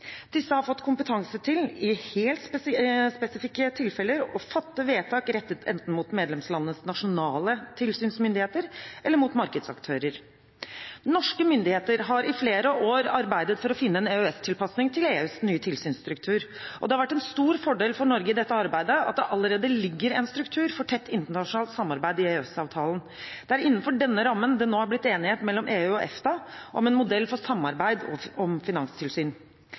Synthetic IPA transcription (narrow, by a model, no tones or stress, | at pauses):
d̪̥ɪsːəhɑɾfɔt̪ːkʰʊmpət̪ʰɑŋsət̪ʰɪlɪheːlt̪spspɛsɪfɪkːət̪ʰɪlfɛləɾɔfɑt̪ːəʋeːt̪ʰɑːkɾɛt̪ːət̪ʰɛ̰nt̪n̩muːt̪meːd̪lɛmslɑnənəsnɑʂʊnɑːlət̪ʰɪlsyːnsmʏnd̪ɪheːt̪əɾʔɛlːəɾmuːt̪mɑɾkəd̪sɑ̰kt̪ʰøːɾəɾ | nɔʂkəmʏnd̪ɪheːt̪əɾɦɑɾʔɪfleːɾəʔoːɾɑɾbæɪd̪ət̪fɔɾɔfɪnːəɛːneøɛst̪ʰɪlpɑsnɪŋt̪ʰɪleːʉːsnyːət̪ʰɪlsyːnst̪ɾʉk̚t̪ʰʉːɾʔɔd̪ɛhɑɾʋæʈːɛnst̪uːɾfɔɖeːlfɔɳɔɾɡəɪd̪ɛt̪ːəɑɾbæɪd̪əɑ̰t̪̚d̪ɛʔɑlːəɾeːd̪əlɪɡːəɾɛnst̪ɾʉkt̪ʰʉːɾfɔʈʰɛt̪ːɪnt̪əɳɑʂʊnɑːlt̪sɑmːɑɾbæɪd̪ɪeːɛsɑːʋt̪ʰɑːln̩ | d̪̥ɛæɾɪnːən̩fɔɖɛnːəɾɑmːənd̪ɛnoːæɾblɪt̪ːeːnɪheːt̪mɛlːɔmʔeːʉɔʔɛ̰ft̪ɑʔɔmɛnmʊd̪ɛlːfɔʂɑmːɑɾbæɪd̪ɔ̰ɔmfɪnɑŋst̪ʰɪlsyːn